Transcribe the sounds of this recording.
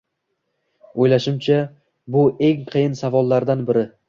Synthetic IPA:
ojlaʃɪmt͡ʃʰa | bʊe̞ŋqʰɨjɪnsavɒlˠːaɾd̪anbɪɾɪ

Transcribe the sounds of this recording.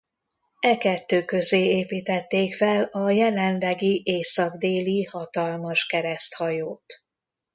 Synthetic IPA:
ɛkɛt̪ːøːkø̞zeːeːpiːt̪ɛt̪ːeːkfɛlɒjɛlɛnlɛɡiʔeːsɒɡd̪eːlihɒt̪ɒlmɒʃkɛɾɛst̪hɒjoːt̪

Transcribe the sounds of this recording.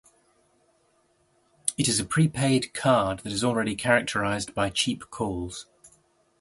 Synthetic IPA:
ɪtɪzəpʰɹ̥iːpʰeɪdkʰɑːd̪̚ðətɪzɔːlˠɹɛɾikʰaɹək̚tʰəɹaɪzbaɪt͡ʃʰiˑpkʰɔːlˠz̥

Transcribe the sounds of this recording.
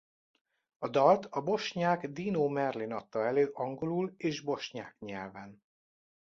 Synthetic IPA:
ɒd̪ɒlt̪ɒbo̞ʃɲaːɡd̪iːnoːmɛrlinɒt̪ːɒɛløːʔɒŋɡo̞luleːʒbo̞ʃɲa̰ːkɲɛlvɛn

